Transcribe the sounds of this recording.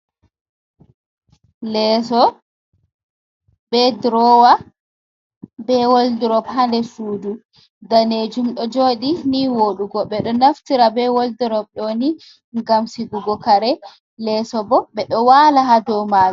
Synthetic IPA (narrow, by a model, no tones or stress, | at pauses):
lɛsɔ | bɛdɾɔwa | bɛwoldiɾɔbɦandɛsuːdu | daned͡ʒumɗɔd͡ʒoːɗiniwoɗuɡɔɓɛɗɔnaftiɾabɛwoldiɾɔbɗɔni | ŋɡamsiɡuɡɔkaɾɛ | lɛːsɔbɔɓɛɗɔwaːlaɦadɔmawɛ